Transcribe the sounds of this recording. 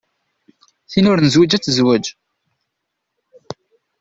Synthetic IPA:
θinʊɾnəzwæd͡ʒæt͡sːzwæd͡ʒ

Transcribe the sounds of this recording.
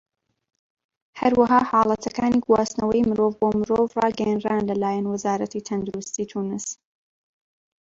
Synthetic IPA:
hɐɾwɐɦaːhɑːlˠɐt̪ʰɐkaːniɡwaːsnɐwɐjmɨɾoːvboːmɨɾoːvrɑːɡɛjɛnraːnlɐlaːjɛnwɐzaːɾɐt̪ʰit̪ʰɐnd̪uɾust̪iːt̪ʰuːnɨs

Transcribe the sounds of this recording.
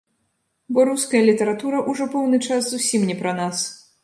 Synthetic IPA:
bɔɾuskɐjɐlʲit̪ɐɾat̪uɾɐʔuʐɔpɔwnɨt͡ʂaszusʲimnʲɛpɾɐnas

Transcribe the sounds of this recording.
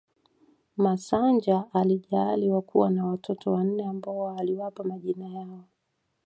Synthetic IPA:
masaɲd͡ʒaʔaliʄaːliwakuwanawatʰɔtʰɔwan̩nɛambaɔaliwapamaʄinajaɔ

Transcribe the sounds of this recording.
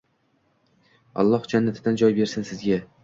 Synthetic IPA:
ɒ̰lˠːɒhd͡ʒanːat̪ʰɪd̪and͡ʒɒjbe̞ɾsɪnsɪzɡʲa

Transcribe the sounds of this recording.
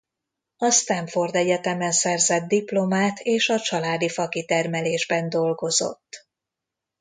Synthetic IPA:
ɒst̪ɛɱfo̞rd̪ɛɟɛt̪ɛmɛnsɛrzɛd̪d̪iplo̞maːt̪ʰeːʃɒt͡ʃɒlaːd̪ifɒkit̪ɛrmɛleːʒbɛnd̪o̞lɡo̞zo̞̰t̪ː

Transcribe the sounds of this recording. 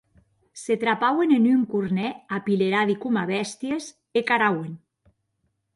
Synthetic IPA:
set̪ɾapawenenyŋkuɾnɛapileɾaðikumaβɛst̪jez | ekaɾawen

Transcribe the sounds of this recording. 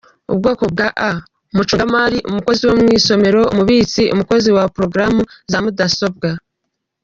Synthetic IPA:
ṵbɡo̞ːko̞b̚ɡaʔa | umut͡ʃomaɾiʔumuko̞ziwomŋiːso̞me̞ɾo̞umuβiːt͡siʔumuko̞ziwapɾo̞ɡɾamuzamudaso̞b̚ɡa

